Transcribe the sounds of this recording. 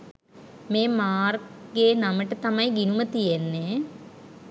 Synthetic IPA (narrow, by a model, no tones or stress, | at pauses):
meːmaːrɡeːnaməʈət̪ɐmɐjɡinumət̪ijenːe